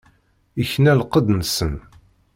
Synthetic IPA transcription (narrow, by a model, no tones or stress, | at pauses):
içnælqːəd̪nəsən